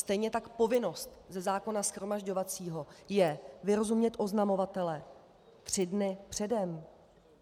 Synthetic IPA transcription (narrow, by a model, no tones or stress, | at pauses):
st̪ɛjɲɛt̪akpo̞vɪno̞st̪zɛzaːko̞nasxɾo̞maʒɟo̞vat͡siːɦo̞jɛvɪɾo̞zumɲɛt̪ʔo̞znamo̞vat̪ɛlɛ | t̪r̝̥ɪdnɪpr̝̥ɛdɛm